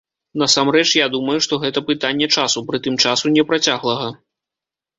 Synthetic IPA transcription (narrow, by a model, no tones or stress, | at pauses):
n̪ɐsamrɛt͡ʂjad̪umɐjuʂt̪ɔɣɛt̪ɐpɨt̪anʲːɛt͡ʂasupɾɨt̪ɨmt͡ʂasunʲɛpɾat͡sʲaɣlˠɐɣɐ